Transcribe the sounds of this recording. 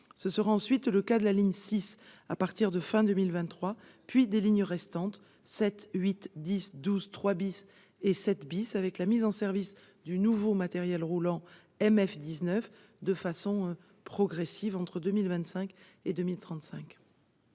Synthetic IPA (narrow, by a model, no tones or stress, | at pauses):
səsəʁaɑ̃sɥit̪ləkad̪əlaliɲsisapaʁt̪iʁd̪əfɛ̃d̪əmilvɛ̃t̪ːχwa | pɥid̪eliɲʁɛst̪ɑ̃t̪ | sɛt̪ɥit̪d̪isd̪uzt̪χwabis | esɛt̪bisavɛklamizɑ̃sɛʁvis | d̪ynuvomat̪ɛʁjɛlʁulɑ̃ | ɛmɛfd̪iznœf | d̪əfasɔ̃ | pχɔɡʁesivɑ̃t̪χəd̪ømilvɛ̃nt̪sɛ̃k | ed̪ømilt̪χɑ̃t̪sɛ̃k